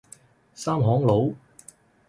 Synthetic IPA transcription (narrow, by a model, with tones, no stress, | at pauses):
saː˥mɦɔː˨˥ŋlo˨˧˥w